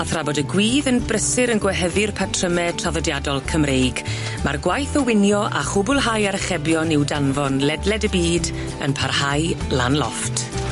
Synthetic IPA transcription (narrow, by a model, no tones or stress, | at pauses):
aθrabɔdəɡwiːðənbrəsɪɾənɡwɛɦəðɨrpʰatʰrəmɛtʰraðɔdjadɔlˠkʰəmrejɡ | marɡwajθəwɪnjɔʔa̰χʊbʊlˠɦajaɾəχɛbjɔnɪwdanvɔnlɛdlɛdəbiːd | ə̰npʰarhajlˠanlˠɔ̰ftʰ